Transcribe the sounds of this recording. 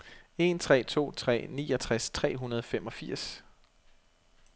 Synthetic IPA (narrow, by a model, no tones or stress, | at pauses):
e̝nt͡sʰʁɛ̰ːt͡sʰo̝̰ːt͡sʰʁɛ̰ːnḭːɒ̽t͡sʰʁast͡sʰʁɛ̰ːɦunɐðˠɒfemɒ̽fiɐ̰s